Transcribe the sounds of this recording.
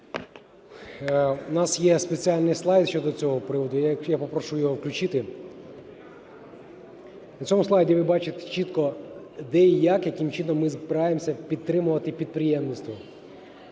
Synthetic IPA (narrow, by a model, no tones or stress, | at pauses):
nɑsjɛspet͡sʲialʲnɪjslˠɑjd̪ʃʲt͡ʃɔd̪ɔt͡sʲɔɦɔpɾɪʋɔd̪ʊjkjapɔpɾɔʃujjɔɦɔwklʲʊt͡ʃɪt̪ɪ | nɐt͡sʲsʲɔmʊslˠɑjdʲiʋɪbɑt͡ʃet̪ɛ̥t͡ʃit̪kɔ | d̪ɛijakjɐkɪmt͡ʃinɔmːɪzbɪɾɑjemsʲɐpʲid̪̚t̪ːɾɪmʊʋɐt̪ɪpʲid̪̚pɾɪjɛmnɪst̪ʋɔ